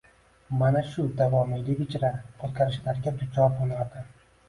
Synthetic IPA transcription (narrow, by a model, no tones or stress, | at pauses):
manaʃʊd̪avɒmɪlʲɪbʲɪt͡ʃʰɾaqʰot̪̚kʰaɾɪʃlaɾɡʲad̪ʊt͡ʃʰɒɾbolˠad̪ɪ